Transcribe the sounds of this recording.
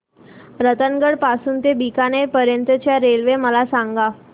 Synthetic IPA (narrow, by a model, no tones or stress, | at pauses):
ɾət̪ənɡəɽpasuːnt̪ebikanepəɾjənt̪ət͡ɕjaɾelʋeməlasaŋɡa